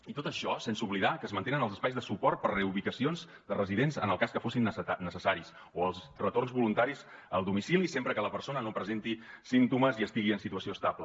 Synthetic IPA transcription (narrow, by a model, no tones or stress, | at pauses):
it̪ot̪əʃɔsensəuβliðakəːzmənt̪enənəlˠzəspajzðəsupɔrt̪̚pərreuβikəsionz | d̪ərəziðenzə̰nəlˠkaskəfosinnəsəsaɾis | oəlˠzrət̪ornzβulunt̪aɾizəlˠd̪umisilisempɾəkələpəɾsonənopɾəzent̪isint̪uməziəst̪iɣiənsit̪uəsioəst̪aβlə